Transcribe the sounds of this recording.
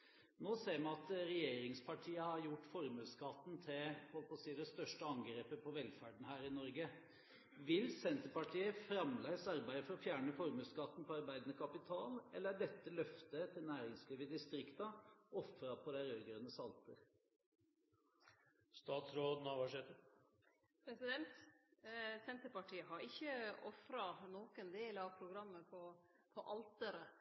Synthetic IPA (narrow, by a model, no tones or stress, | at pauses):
noːseːɾmɑɑt̪ɾɛjeːɾɪŋspʰɑʈʰiːəhɑɾjʊʈːfɔɾmʉːskɑt̪n̩t̪ʰɪhɔlpɔsiːd̪ɛst̪œʂʈəɑŋɡɾeːpəpʰɔʋɛlfæːɖɳ̩hæːɾɪnɔɾɡə | ʋɪlsɛnt̪əpɑʈʰiːəfɾɑmlæɪsɑɾbæɪd̪əfɔɾɔfjæːɳəfɔɾmʉːskɑt̪ːn̩pʰɔɑɾbæɪd̪ənəkʰɑpɪt̪ʰɑːlɛlːəɾæɖɛt̪ːəlœft̪ət̪ʰɪlnæːɾɪŋslɾiːʋəd̪ɪst̪ɾɪkt̪ɑɔfɾɑpʰɔd̪æɪɾøːɡɾənəsɑlt̪əɾ | st̪ɑːt̪sɾoːd̪nɑʋæʂeːt̪ə | pʰɾɛsɪd̪ɛnt̪ | sɛnt̪əɾpɑʈʰiːəɦɑɾɪçːəɔfɾɑnɔːkənd̪eːlɑʋpʰɾʊɡɾɑmːəpʰɔ | pʰɔʔɑlt̪əɾə